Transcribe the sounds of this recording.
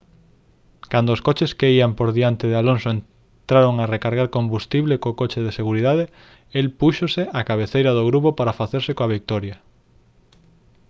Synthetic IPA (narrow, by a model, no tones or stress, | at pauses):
kand̪oːskot͡ʃeskeiampoɾðiant̪eðealonsoen | t̪ɾaɾoŋarekaɾɣaɾkombust̪iβlekokot͡ʃɪðeseɣuɾiðaðe | elpuʃoseʔakaβ̞eθejɾɐð̞oɣɾuβopaɾafaθeɾsɪkoaβik̚t̪ɔɾja